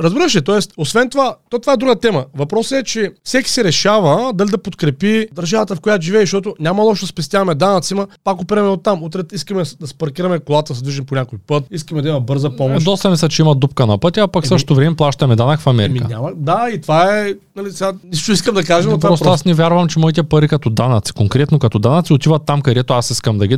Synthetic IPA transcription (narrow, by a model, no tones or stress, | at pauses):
ɾəɐzbiɾəʃ̬ɛt̪ɔɛst̪osvɛnt̪ovat̪ɔt̪ovaɛd̪ɾuɡət̪ɛmɐvɐpɾɔsəɛt͡ʃɛfsɛkʲi̥sɛɾɛʃavɐd̪ɐlid̪ɐpot̪kɾɛpid̪ɐɾʒavət̪əfkojat̪oʒivɛiʃt̪ɔt̪ʊnʲamɐlˠɔʃ̬d̪ɐspɛst̪javɐmɛd̪anɐt̪simɐpakʊpiɾɐmɛot̪ːamut̪ɾɛiskəmɛd̪ɐspɐɾkʲiɾɐmɛkolˠat̪əsəd̪viʒimponʲakojpɤt̪̚iskɐmɛd̪ɐimɐbɤɾzɐpɔmd̪ɔst̪ɐmislʲɐt͡ʃɛimɐd̪up̚kənɐpɤt̪ʲiapaksɤʃtot̪ovɾɛmɛplˠaʃt̪ɐmɛd̪anakfɐmɛɾikənʲamɐd̪ait̪vaɛɛnɐlisɛɡaniʃt̪oiskəmd̪ɐkaʒɛmnɐt̪ːaɔsɾoasnɛvʲjaɾvɐmt͡ʃɛmɔit̪ɛpɐɾikɐt̪ɔd̪anɐt̪si̥koŋkɾɛt̪nokɐt̪ɔd̪anɐt̪siot̪ivɐt̪ːamkɐd̪ɛt̪oasiskɐmd̪ɐɡʲi